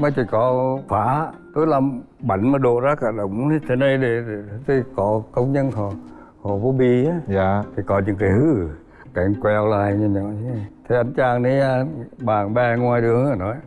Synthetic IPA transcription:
məː˨˦jt͡ɕi˧˩kɔ˨˦faː˨˦˧t̪o˨˦jla˧m | ɓa˨˩jŋ̟maː˨˩ɗo˧˨zaː˦kaː˧˩ɗə˨wŋ͡mt̪ʰi˨˧˦t̪ʰe˧˩˦nə˧jɗe˧˩˨t̪ʰi˧˩kɔ˨˦kə˧wŋ͡mɲə˧nɦɔ˨˩ | hɔ˨˩vo˨˦ɓi˧a˨˦˨t̪ʰi˨˩kɔ˨˦ɲɨ̰˧˥ŋkaː˨˦hɨ˨˦˨ | ka˨˩ŋkwɛ˧wlaː˧˩jɲa˧ɲɔ˧˨i˧˦˧t̪ʰe˨˧˩ʔa˧jŋt͡ɕaː˧ŋni˨˦aː˧ɓaː˨˩ŋɓɛ˧ŋwaː˧jɗɨ˨˩əŋa˨˩nɔ˨˦j

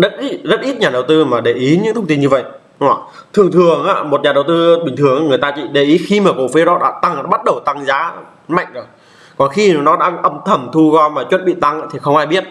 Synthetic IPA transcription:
ɗə˦˥t̚ʔi˦˥zə˦˥t̚ʔi˦˥t̚ɲaː˨˩ɗə˨˩wt̪ɨ˧maː˨˩ɗe˨˩ʔi˨˦ɲɨ̰˧˥t̪ʰə˧wŋ͡mt̪i˧nɲɨ˧və̰˧˨jʔ | t̪ʰɨ˨˩əŋt̪ʰɨ˨˩əŋʔa̰ː˧˦mo˨˩t̚ɲaː˨˩ɗə˨˩wt̪ɨ˧ɓï˨˩ŋt̪ʰɨ˨˩əŋʔaː˧ŋɨ˨˩əjt̪aː˧t͡ɕḭ˧˨ɗe˨˩ʔi˨˦xi˧maː˨˩ko̰˧˨fi˨˦ɗɔ˨˦ɗa̰ː˧˥t̪a˧ŋaː˧˥ɓa˦˥t̚ɗə˨˩wt̪a˧ŋzaː˨˦ | ma̰˧˨jŋ̟zo˨˩j | kɔ˨˩nxi˧nɔ˨˦ɗa̰ː˧˥ʔə˧mt̪ʰə˨˧˩mt̪ʰu˧ɣɔ˧maː˨˩t͡ɕwə˦˥t̚ɓḭ˧˨t̪a˧ŋʔaː˧˥t̪ʰi˨˩xə˧wŋ͡mʔaː˧jɓi˦˥ət̚

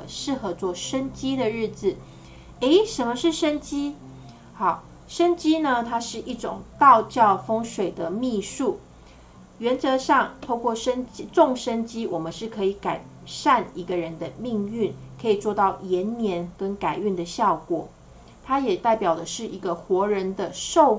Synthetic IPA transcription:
ʂɻ̩˥˩xɤ˧˥t͡swɔ˥˩ʂə˥nt͡ɕi˥d̪ə˨ɻɻ̩˥˩d͡z̩˩ | e˧˥ɪʂə˧˦˥nmə˧ʂɻ̩˥˩ʂə˥nt͡ɕi˥ | xɑ˥˩ʊ | ʂə˥nt͡ɕi˥nə˧t̪ʰa˥ʂɻ̩˥˧ʔi˥˩ʈ͡ʂʊ˨˩ŋt̪ɑ˥˧ʊt͡ɕjɑ˥˩ʊfɤ˥ŋʂwe˨˩ɪd̪ə˦mi˥˧ʂu˥˩ | ɥɛ˧˥nt͡sɤ˧˥ʂɑ˥˧ŋt̪ʰo˥ʊkʰwɔ˥˩ʂə˥nt͡ɕi˥ʈ͡ʂʊ˥˨˩ŋʂə˥nt͡ɕi˥wɔ˨˩mə˦nʂɻ̩˥˩kʰɤ˧˥i˧˩ka˨˩ɪ | ʂa˥˩ni˧˥ɡə˨ɻə˧˦nd̪ə˧mi˥˧ŋy˥˩nkʰɤ˧˥i˨˩t͡swɔ˥˧t̪ɑ˥˩ʊjɛ˧˥nnjɛ˧˥nkə˦˥nka˨˩ɪy˥˩nd̪ə˩ɕjɑ˥˩ʊkwɔ̰˨˩˦ | t̪ʰa˥jɛ˨˩t̪a˥˩ɪpjɑ˨˩ʊd̪ə˦ʂɻ̩˥˩i˧˥ɡə˧xwɔ˧˥ɻə˧˥nd̪ə˧ʂo˥˧ʊ

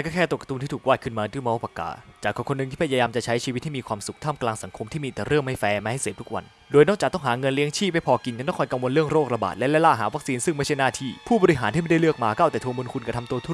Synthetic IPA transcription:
ɛ˧kɔː˥˩kʰɛː˥˩t̪u˨˩kːa˧t̪u˧nʰiː˥˩u˨˩kwaː˥˩kʰɯ˥˩maː˧nt̪uː˧˥˩mɔː˦˥˦pa˧˩ka̰ː˨˩t͡ɕaː˨˩kʰːɔː˨˧˩kʰo˧nɯ˨ŋt̪ʰiː˥˩a˧jaː˧jaː˧mt͡ɕa˨˩t͡ɕʰa˦˥jt͡ɕʰi˧wt̪̚ʰːiː˥˩iː˧kʰwaː˧msu˨k̚t̪ʰaː˥˩mklaː˧ŋsa˨˩˦ŋkʰo˧mt̪ʰiː˥˩miː˧t̪ɛː˨˩ɾɯ˥˩ŋma˥˩jfɛː˧maː˧ha˥˩jseː˨˩p̚t̪ʰu̥˦˥wa̰˧n | doː˧jnɔː˥˩k̚a˨˩t̪ɔ˥˩ɦaː˩˦ŋɤ˧nli˦˥əŋt͡ɕʰiː˥˩pa˧˩jpʰɔː˧ki˧nka˧nkɔ˥˩kɔ˧jka˧ŋwo˧nɾɯ˥˩əŋɾoː˥˩k̚ɾa˧ba̰ː˨˩t̪̚lɛ˦˥lɛ˦˥laː˧˥˩ɦaː˩˦wa˦˥k̚siː˧nsɯ˥˩ŋma˥˩jt͡ɕʰa˥˩jnaː˥˩t̪ʰiː˥˩pʰuː˥˩ɔː˧ɾi˧˥ɦaː˨˦t̪ʰiː˥˩a˥˩da˥˩lɯ˥˩ək̚maː˧ka˥˩wt̪ɛː˨˩u˧əmo˧nkʰu˧nka˧t̪ʰmt̪u˧ət̪ʰu˥˩

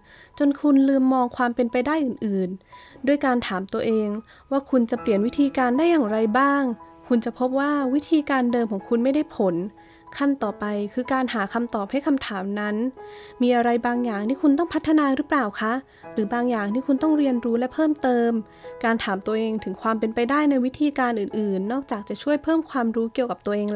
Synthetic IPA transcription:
t͡ɕo˧nkʰu˧nlɯː˧mːɔː˧ŋkʰwaː˧mpe˧npa˧jdaː˥˩jʔɯː˨˩nʔɯː˨˩ndu˥˩jkaː˧nt̪ʰaː˩˦mt̪u˧əʔeː˧ŋ | waː˥˩kʰu˧nt͡ɕa˨˩pli˨˩ənwi˦˥t̪ʰiː˧kaː˧ndaː˥˩jaː˨˩ŋɾa˧jbaː˥˩ŋ | kʰu˧nt͡ɕa˨˩pʰo˦˥p̚waː˥˩wi˦˥t̪ʰiː˧kaː˧ndɤː˧mkʰɔː˩˦ŋkʰu˧nma˥˩jda˥˩jpʰo˩˦n | kʰa˥˩nt̪ɔː˨˩pa˧jkʰɯː˧kaː˧nhaː˩˦kʰa˧mt̪ɔː˨˩p̚ha˥˩jkʰa˧mt̪ʰaː˩˦mna˦˥nmiː˧ʔa˧ɾa˧jbaː˧ŋjaː˨˩ŋt̪ʰiː˥˩kʰu˧nt̪ɔ˥˩ŋpʰa˦˥t̪ʰːa˧naː˧ɾɯ˦˥pɾaː˨˩wkʰa˦˥ʔ | ɾɯː˩˦baː˧ŋjaː˨˩ŋt̪ʰiː˥˩kʰu˧nt̪ɔ˥˩ŋɾi˧ənɾuː˦˥lɛ˦˥pʰɤː˥˩mt̪ɤː˧m | kaː˧nt̪ʰaː˩˦mt̪u˧ɐəʔeː˧ŋt̪ʰɯ˩˦ŋkʰwaː˧mpe˧npa˧jdaː˥˩jna˧jwi˦˥t̪ʰiː˧kaː˧nʔɯː˨˩nʔɯː˨˩nːɔː˥˩k̚t͡ɕaː˨˩k̚t͡ɕa˨˩t͡ɕʰu˥˩əjpʰɤː˥˩mkʰwaː˧mɾuː˦˥ki˨˩əwka˨˩p̚t̪u˧əʔeː˧ŋ

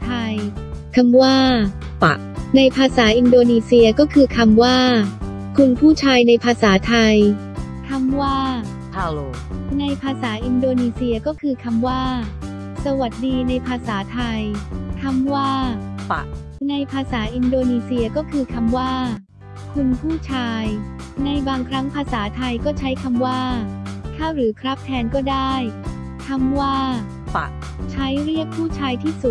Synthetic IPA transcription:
t̪ʰa˧j | kʰa˧mwaː˥˩ | pa̰˨˩ʔna˧jpʰaː˧saː˩˦ʔi˧ndoː˧niː˧si˧ɐkɔː˥˩kʰɯː˧kʰa˧mwaː˥˩ | kʰu˧npʰuː˥˩t͡ɕʰaː˧jna˧jpʰaː˧saː˩˦t̪ʰa˧j | kʰa˧mwaː˥˩ | a˧o | na˧jpʰaː˧saː˩˦ʔi˧ndoː˧niː˧si˧ɐkɔː˥˩kʰɯː˧kʰa˧mwaː˥˩ | sa˧wa˨˩t̪̚diː˧na˧jpʰaː˧saː˩˦t̪ʰa˧jkʰa˧mwaː˥˩˨ | na˧jpʰaː˧saː˩˦ʔi˧ndoː˧niː˧siː˧ɐkɔː˥˩kʰɯː˧kʰa˧mwaː˥˩ | kʰu˧npʰuː˥˩t͡ɕʰaː˧j | na˧jbaː˧ŋkʰɾa˦˥ŋpʰaː˧saː˩˦t̪ʰa˧jkɔː˥˩t͡ɕʰa˦˥jkʰa˧mwaː˥˩k̪ʰaː˥˩wɾɯː˩˦kʰɾa˦˥p̚t̪ʰɛː˧nkɔː˥˩daː˥˩j | kʰa˧mwaː˥˩˧ | t͡ɕʰa˦˥jɾi˥˩ək̚pʰːuː˥˩t͡ɕʰaː˧jt̪ʰiː˥˩su˨˩t̪̚

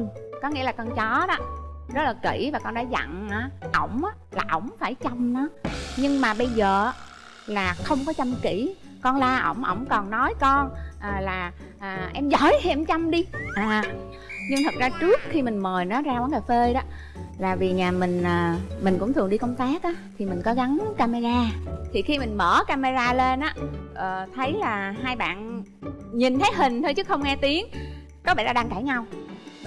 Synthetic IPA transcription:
ŋkɔ˨˦ŋḭ˧˥əlaː˨˩kɔ˧nt͡ɕɔ˨˦ɗɔ˨˦˥zə˦˥t̚laː˨˩kḭ˧˩vaː˨˩kɔ˧nɗa̰ː˧˥za̰˧˨ŋʔaː˧˨˩ʔə˧˩wŋ͡mʔaː˨˦˥laː˨˩ʔə̰˧˩wŋ͡mfaː˧˩jt͡ɕa˧mnɔ˨˦ɲɨ˧ŋmaː˨˩ɓə˧jzəː˨˩˦ | laː˨˩xə˧wŋ͡mkɔ˨˦t͡ɕa˧mt͡ɕi˧˩ | kɔ˧nlaː˧ʔə̰˧˩wŋ͡mʔə̰˧˩wŋ͡mkɔ˨˩nnɔ˨˦jkɔ˧nʔəː˨˩laː˨˩ | ʔəː˨˩ʔɛ˧mzɔ˧˩jhi˧˨˩mt͡ɕa˧mɗi˧ʔaː˨˩ | ɲɨ˧ŋt̪ʰə˨˩t̚zaː˧t͡ɕɨ˦˥ək̚xi˧mï˨˩ŋ̟məː˨˩jnɔ˨˦zaː˧kwaː˨˦ŋkaː˨˩fe˧ɗɔ˨˦ | laː˨˩vi˨˩ɲaː˨˩mï˨˩ŋ̟ʔəː˨˩mï˨˩ŋ̟kʊ̰˧˥ŋ͡mt̪ʰɨ˨˩əŋɗi˧kə˧wŋ͡mt̪aː˦˥k̚ʔaː˨˦t̪ʰi˨˩mï˨˩ŋ̟kɔ˨˦ɣa˨˦nkaː˧me˧zaː˧t̪ʰi˨˩xi˧mï˨˩ŋ̟mə̰ː˧˩kaː˧me˧zaː˧le˧nʔaː˨˦ʔəː˨˩t̪ʰə˨˦jlaː˨˩ɦaː˧jɓa̰ː˧˨n | ɲi˨˩nt̪ʰə˨˦jɦï˨˩ŋ̟t̪ʰo˧jt͡ɕɨ˦˥kxə˧wŋ͡mŋɛ˧t̪i˨˦əŋ | kɔ˨˦ɓa̰ː˧˨˩ɗaː˧ɗaː˧ŋka˧˩jɲa˧w

